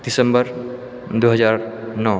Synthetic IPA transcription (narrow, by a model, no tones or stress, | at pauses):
d̪̥isə̃mbəɾ | d̪uɦʌzaɾnɔ